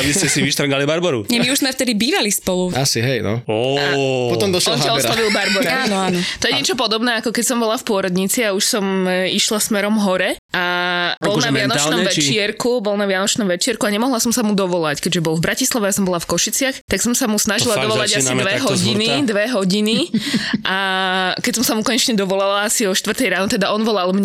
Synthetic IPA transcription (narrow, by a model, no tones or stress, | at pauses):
abiscɛsiʋiʃt̪ɾɡalibaɾbɔɾṵɲɛmiuʒzmɛft̪ɛd̪ibiːʋalispɔluasiɦɛjnɔ̰ɔpɔt̪ɔmd̪ɔʃɔaɔslaʋilbaɾbɔɾaaːnɔanɔt̪ɔjɛɲɲɪɛt͡ʃɔp̬ɔd̪ɔbnɛakɔkɛcsɔmbɔlafpʊɔɾɔd̪ɲit͡siauʃsɔmiʃlasmɛɾɔmɦɔɾɛʔabɔlnaʋɪanɔt͡ʃnɔmʋɛt͡ʃɪɛɾkubɔlnaʋɪanɔt͡ʃnɔmʋɛt͡ʃɪɛɾkuaɲɛmɔɦlasɔmsamud̪ɔʋɔlackɛɟʒɛbɔlˠvbɾacislaʋɛjasɔmbɔlafkɔʃit͡sɪaxt̪aksɔmsamusnaʒilad̪ɔʋɔlaɟasiʋɛɦɔɟinid̪ʋɛɦɔɟiniʔakɛcsɔmsamukɔɲɛt͡ʃɲɛd̪ɔʋɔlalaasiɔʃt̪ʋrt̪ɛjɾaːnɔt̪ɛd̪aʔɔnʋɔlalˠmɲ